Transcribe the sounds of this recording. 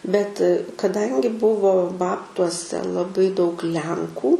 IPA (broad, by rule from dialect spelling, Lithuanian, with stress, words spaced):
bʲɛt kɐˈdɐŋʲɡʲɪ ˈbʊʋoː ˈbɑːptuɔsʲɛ lˠɐˈbɐɪ dɐʊk ˈlʲɛŋkuː